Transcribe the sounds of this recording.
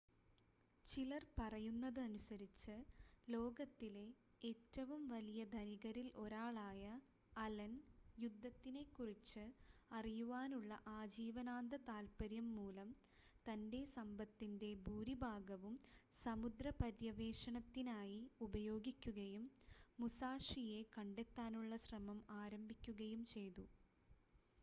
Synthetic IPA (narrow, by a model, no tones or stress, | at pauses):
t͡ɕilɐrpɐrɐjunːɐðɨɐnusɐɾit͡ɕːɨlo̞ːɡɐt̪ːile̞ | eːtːɐʋumʋɐlijɐd̪ʱɐniɣɐɾilo̞ɾaːɭaːjɐː | lɐnjud̪ʱːɐt̪ːine̞kːurit͡ɕːɨɐrijuʋaːnuɭːɐ̰ʔaːd͡ʑiːʋɐnaːnd̪ʱɐt̪aːlpɐɾjɐmːuːlɐm | t̪ɐnde̞sɐmbɐt̪ːinde̞bʱuːɾibʱaːɡɐʋum | sɐmud̪rɐpɐɾjɐʋe̞ːʂɐɳɐt̪ːinaːjiubɐjo̞ːɡikʲːuɣɐjumːusaːʂije̞kɐɳɖe̞t̪ːaːnuɭːɐɕrɐmɐmaːɾɐmbʱikʲːuɣɐjumt͡ɕe̞jt̪u